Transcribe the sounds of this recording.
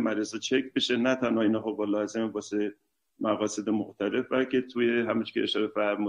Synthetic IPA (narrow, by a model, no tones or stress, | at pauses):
mæɾesɒt͡ʃʰekʰbeʃenæt̪ʰænhɒinɒχobɒlɒːzemebɒːse | mæɣɒːse̞d̪emoxt̪ʰælefbælcʲʰe̞t̪ʰujeɦæmunt͡ʃʰi̥cʰʲeːʃɒːɾefæɾmu